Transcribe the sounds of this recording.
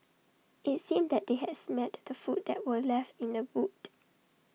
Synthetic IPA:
ʔɪtsĩmdɛt̚d̥̪eɦɛdsmɛtdəfut̚dɛ̰ʔ̚wəlɛftɪ̃ndəwut

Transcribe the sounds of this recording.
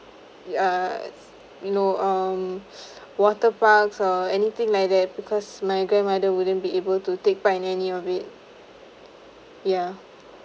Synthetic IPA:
a | junoʌm | wɔtəpaksɔɛnit̪ɪ̃ŋlajk̚d̪ɛt̚bikʰɔsmajɡɹɛ̃nmadəwudə̃nbiebəltutek̚paĩnɛniɔbɪt̚ | ja

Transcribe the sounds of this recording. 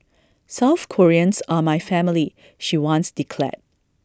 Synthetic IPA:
saʊθkʰɔɹiə̃nsamajfɛ̃mɪli | ʃiwɔ̃nsd̥ikʰlɛ̰t̚

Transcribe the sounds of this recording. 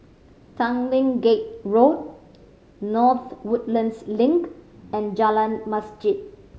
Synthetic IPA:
tãŋlĩŋɡet̚ɹot̚ | nɔθwʊt̚lə̃nslɪ̃ŋkɛ̃nd͡ʒalə̃nmasd͡ʒit̚

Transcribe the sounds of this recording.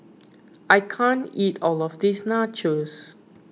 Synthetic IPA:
ʔajkʰãnitɔlɔfdisnat͡ʃəs

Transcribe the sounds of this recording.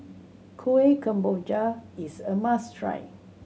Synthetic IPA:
kʰuekʰãmbod͡ʒaisəmãstʰɹa̰j

